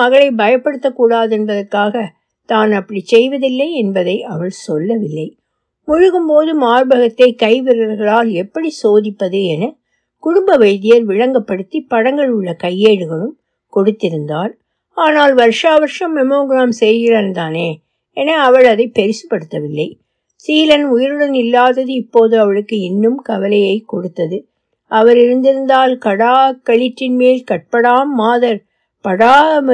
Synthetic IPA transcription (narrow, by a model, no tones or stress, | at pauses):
ɐɣɐɭɐɪbɐjɐpːɐɽɯt̪ːɐkːuːɽaːðɛnbɐðɐrkaːɣɐ | t̪aːnɐpːɐɽit͡ʃɛjʋɐðɪlːɐɪɛnbɐðɐɪʔɐʋɐɭsɔlːɐʋɪlːɐɪ | mʊɻʊɣɯmpoːðɯmaːɾbɐɣɐt̪ːɐɪkɐɪʋɪɾɐɾɣɐɭaːlɛpːɐɽisoːðɪpːɐðɯɛnɐ | kʊɽʊmbɐʋɐɪðɪjɐɾʋɪɻɐŋɡɐpːɐɽɯt̪ːipːɐɽɐŋɡɐɭɯɭːɐkɐjːeːɽɯɣɐɭɯm | kɔɽɯt̪ːɪɾɯnd̪aːl | aːnaːlʋɐɾʂaːʋɐɾʂɐmːɛmoːɡɪɾaːmsɛjɣɪɾɐnt̪aːneː | ɛnɐːʋɐɭɐðɐɪpːɛɾɪsɯ̥pːɐɽɯt̪ːɐʋɪlːɐɪ | siːlɐnʊjɪɾɯɽɐnɪlːaːðɐðɯɪpːoːðɯɐʋɐɭɯkːɯɛnːɯmkɐʋɐlɐjɐɪkːɔɽɯt̪ːɐðɯ | ʔɐʋɐɾɪɾɯnd̪ɪɾɯnd̪aːlkɐɽaːkɐɭɪʈːɪnmeːlkɐʈ̚pɐɽaːmːaːðɐɾ | pɐɽaː